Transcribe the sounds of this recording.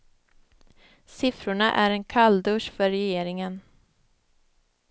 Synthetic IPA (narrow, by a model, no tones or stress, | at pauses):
sɪfɾʊɳaʔæ̰ɾɛnkʰald̪ɵʂfœɾɛjeːɾɪŋən